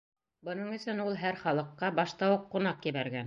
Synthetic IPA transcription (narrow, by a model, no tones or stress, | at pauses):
bɤ̆nɤɴɵ̆sɘnulˠɦæɾχɑlˠɤ̆qːɑbɑʃt̪ɑwɤqːunɑqjɘ̆βæɾɡæn